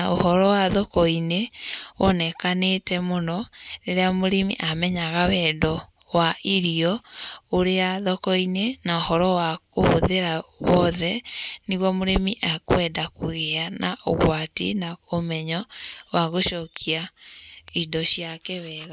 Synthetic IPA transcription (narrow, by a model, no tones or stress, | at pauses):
aohɔɾɔwaðɔkɔineonɛkanetɛmonɔneɾeamoɾemḭʔamɛɲaɣawɛdɔwaiɾiɔoɾeaðɔkɔinenaohɔɾɔwakohoðeɾawɔðɛniɣwɔmoɾemiʔakwɛːdakoɣeanaʔo̰ɣwatḭnaomɛɲɔwaɣoʃɔkʰia | idɔɕjakɛβɛɣa